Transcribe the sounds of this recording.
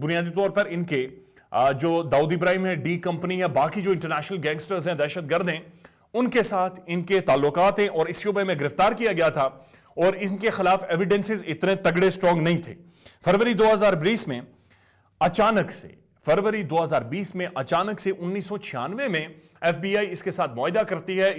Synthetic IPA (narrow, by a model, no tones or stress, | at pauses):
bʊnijaːd̪it̪ɔːɾpɐɾɪnke | d͡ʒoːd̪aːuːd̪ibɾaːimɦɛ̃ɖiːkɐ̃mpəniɦɛ̃baːkid͡ʒoːɪ̃ɳʈəɾnɛːʃnəlɡɛ̃ːŋɡsʈəɾzɦɛ̃d̪ɛːʃət̪̚ɡɐɾd̪ɦɛ̃ | ʊnkesaːt̪ʰɪnket̪aːlːʊkaːt̪ɦɛ̃ʔɔːɾɪsjoːbəmẽɡɪɾɪft̪aːɾkijaɡɐjat̪ʰa | ɔːɾɪnkexɪlaːfeːʋɪɖɛ̃nsɪzɪt̪nẽt̪ɐɡɽesʈɾɔ̃ːŋɡnɐɦĩt̪ʰḛː | fɐɾʋəɾid̪oːɦɐzaːɾbiːsmẽ | ɐt͡ʃaːnəksḛ | fɐɾʋəɾid̪oːɦɐzaːɾbiːsmẽʔɐt͡ʃaːnəkseʔʊnːiːsːɔt͡ʃʰɪja̰ːnʋemẽ | ɛːfbiːaːiɪskesaːt̪̚ʰmɔːɦɪd̪akɐɾt̪iɦɛ